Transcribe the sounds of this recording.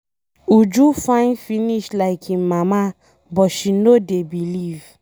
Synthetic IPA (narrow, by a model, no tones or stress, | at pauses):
ud͡ʒufãɪ̃nfiniʃlaɪkʰimama | bɔtʃinodebiliv̥